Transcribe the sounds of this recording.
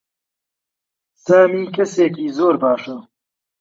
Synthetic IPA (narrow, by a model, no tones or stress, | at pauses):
saːmiːkɐseːk̬iːzoːɾbaːʃɐ